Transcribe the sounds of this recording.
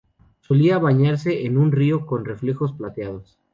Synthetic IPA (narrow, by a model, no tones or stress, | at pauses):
so̞liaβaɲaɾse̞ʔenunrio̞ko̞nre̞fle̞xo̞splat̪jað̞o̞s